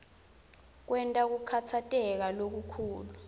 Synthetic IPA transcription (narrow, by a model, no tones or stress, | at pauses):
k̬wɛntʼak̬ukʰatʰatʼɛk̬alok̬ukʰuːlu